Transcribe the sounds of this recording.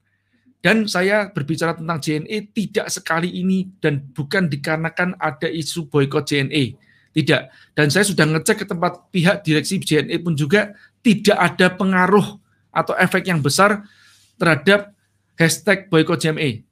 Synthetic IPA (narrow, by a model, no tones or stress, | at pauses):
d̥ansajab̥ərbit͡ʃaɾat̪ənt̪aŋd͡ʒeɛnʔet̪id̥aʔsəkaliʔinid̥anb̥ukandikaɾənakanad̥aʔisub̥ɔjkɔd͡ʒ̥eɛnʔe | t̪idaʔ | d̥ansajasudahŋət͡ʃɛkːət̪əmpat̪̚piɦaʔd̥iɾɛk̚sid͡ʒeɛnepʊnd͡ʒuɡa | t̪id̥aʔad̥apəŋaɾʊh | ʔat̪awʔɛfɛk̚t̪jaŋbəsar | t̪ərɦad̥ap̚ | hɛst̪ɛk̚b̥ɔjkɔd͡ʒeɛme